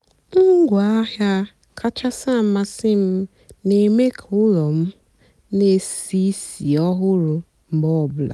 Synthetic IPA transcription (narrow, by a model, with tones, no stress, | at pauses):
ŋ̩˦ɡʷa˦hja˦ | kʰa˦t͡ʃa˦sa˦˨m˦ma˦sɪ˦m̩˦ | ne˨me˦kʰʊ˦ɾɔ˨m̩˦ | ne˨si˦si˨ɔ˦ɦʊ˦ɾʊ˨ | m̩˨˦bɔ˦˨bla̰˨